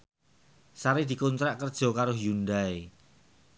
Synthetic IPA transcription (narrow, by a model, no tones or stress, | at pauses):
saɾid̪̥i̤kunt̪ɾaʔkərd̥ʒ̥ɔ̤kaɾʊhjundae